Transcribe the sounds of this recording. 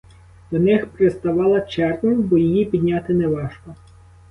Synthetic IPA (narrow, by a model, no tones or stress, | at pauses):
d̪̥ɔnɪxpɾɪst̪ɐʋɑlˠɐt͡ʃɛrnɐjbɔjijipʲid̪ʲnʲat̪ɪnɛʋɑʃkɔ